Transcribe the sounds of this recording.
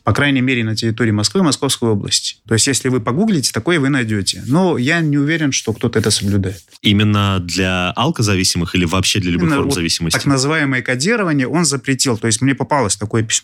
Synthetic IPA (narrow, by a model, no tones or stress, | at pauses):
pɐkɾajnʲəjmʲeɾʲɪnətʲɪɾʲɪt̪o̞ɾʲɪːmɐskvɨmɐsko̞fskəjo̞blˠə̰sʲtʲɪ̥t̪o̞jɪsʲtʲjesʲlʲɪvɨpɐɡuɡlʲɪtʲɪ̥t̪ɐko̞jəvɨnɐjdʲotʲɪ̰no̞janʲɪʊvʲeɾʲɪnʂt̪o̞kt̪o̞t̪əɛt̪əsəblʲʊd̪ajɪt̪imʲɪnːəd̪lʲaalˠkəzɐvʲisʲɪmɨxilʲɪvɐːpɕːed̪lʲəlʲɪb̪omzɐvʲisʲɪməsʲaknəzɨvajɪməjəkɐdʲiɾəvənʲɪjəʔo̞nzəpɾʲɪtʲilˠt̪o̞jɪsʲtʲmnʲepɐpɑlˠəsʲt̪ɐkojəpʲɪ̥sʲmo